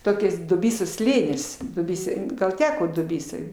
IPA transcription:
ˈtoːkʲɛs dʊˈbʲiːsoːs ˈsʲlʲeːnʲɪs dʊˈbʲiːsoːj ɡɐlˠ ˈtʲæːkoː dʊˈbʲiːsoːj

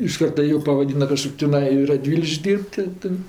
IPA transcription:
ɪʃ ˈkɐrtɐ ˈjuː pɐʋɐˈdʲiːnɐ kɐˈʃkoːkʲ tʲɪˈnɐɪ ɪ rɐˈdʲʋʲiːlʲɪkʃʲkʲ ˈdʲiːrʲpʲtʲ tʲɪ ˈtɜ

